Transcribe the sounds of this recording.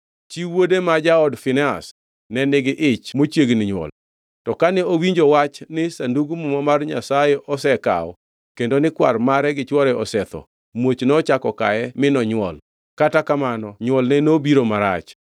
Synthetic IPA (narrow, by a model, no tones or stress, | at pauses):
t͡ʃiwodemad͡ʒaɔdfɪnɛa̰s | nɛnɪɡɪʔɪt͡ʃmot͡ʃjeɡnɪɲwɔ̰l | tɔkanɛowiɲd͡ʒowat͡ʃnɪsanduɡumumamarɲa̰sajeʔɔsɛka̰ɔ̰ | kendonɪkwarmaɾɛɡɪt͡ʃwɔɾɛɔsɛt̪ɔ̰ | mot͡ʃnɔt͡ʃakɔka̰ɛmɪnɔɲwɔ̰l | katakamanɔɲwɔlnɛnobiɾomaɾa̰t͡ʃ